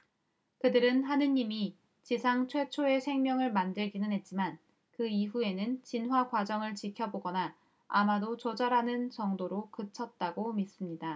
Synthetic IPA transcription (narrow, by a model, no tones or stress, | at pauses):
kɯdɯɾɯnɦanɯɲimi | t͡ɕisʰaŋt͡ɕʰwe̞t͡ɕʰoe̞sʰe̞ŋmjʌŋɯɭmandɯɭɡinɯnɦe̞t̚t͡ɕ͈iman | kɯiɸue̞nɯnt͡ɕinɦwakwad͡ʑʌŋɯɭt͡ɕikʰjʌboɡʌna | a̰madot͡ɕod͡ʑaɾanɯnt͡ɕʌŋdoɾokɯt͡ɕʰʌt̚t͈aɡomis͈ɯmɲida